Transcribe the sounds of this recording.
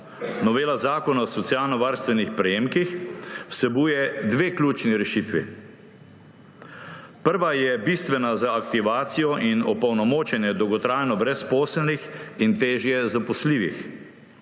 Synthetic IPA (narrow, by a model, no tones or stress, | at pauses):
nɔʋeːlazaːkɔnaɔsɔt̪sijaːlnɔʋaːɾst̪ʋɛnixpɾɛjeːmkixwsɛbuːjɛd̪ʋeːklʲuːt͡ʃniɾɛʃiːt̪ʋḭ | pəɾʋajɛbist̪ʋɛnazaːkt̪iʋaːt̪sijɔʔinɔpɐwnɔmoːt͡ʃɛnjɛd̪ɔwɡɔt̪ɾaːjnɔbɾɛspɔːslnixint̪eːʒjɛzapɔsliːʋix